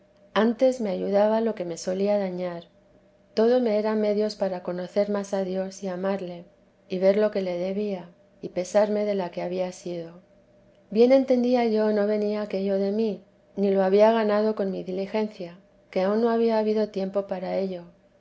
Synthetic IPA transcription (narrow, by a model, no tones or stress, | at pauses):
ant̪e̞zme̞aʝuðaβalo̞ke̞me̞so̞liaðaɲaɾ | t̪o̞ðo̞me̞eɾame̞ðjo̞spaɾako̞no̞θe̞ɾmasaðjo̞siamaɾle̞ | iβe̞ɾlo̞ke̞le̞ðe̞βia | ipe̞saɾme̞ðe̞lake̞aβiasiðo̞ | bje̞nẽ̞nt̪e̞nd̪iaʝo̞no̞βe̞niaːke̞ʎo̞ðe̞mi | niloaβiaɣ̞anað̞o̞ko̞nmiðilixe̞nθja | ke̞aunːo̞aβ̞iaːβiðo̞t̪je̞mpo̞paɾae̞ʎo̞